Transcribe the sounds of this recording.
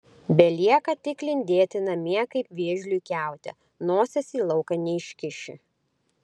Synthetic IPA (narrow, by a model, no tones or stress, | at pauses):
bʲɛlʲiɛkɐt̪ʲɪklʲɪnʲd̪ʲeːt̪ʲɪnɐmʲiɛkɐɪpʋʲiɛʒʲlʲuːkʲæˑʊt̪ʲɛ̰ | noːsʲɛsʲiːlˠɒʊkɐnʲɛɪʃʲkʲɪʃʲɪ̰